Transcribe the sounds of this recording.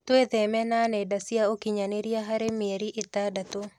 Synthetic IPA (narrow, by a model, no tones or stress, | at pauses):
tweðɛmɛnanɛdasjaokiɲaneɾjaɦaɾemeɾiʔetadato